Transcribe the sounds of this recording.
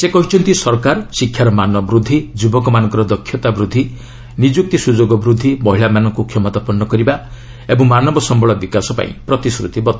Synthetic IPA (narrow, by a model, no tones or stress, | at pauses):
sekɔɦit͡ʃʰɔnt̪isɔɾkaɾsikʰːjaɾɔmanɔbɾud̪ʱːid͡ʒubɔkɔmanɔŋkɔɾɔd̪ɔkʰːjɔt̪abɾud̪ʱːi | nid͡ʒuk̚t̪isud͡ʒoɡɔbɾud̪ʱːibɔɦiɭamanɔŋkukʰjɔmɔt̪apɔnːɔkɔɾiba | ebɔŋmanɔbɔsɔmbʱɔɭɔbikasɔpa̰ḭ̃pɾɔt̪isɾṵt̪ibɔt̪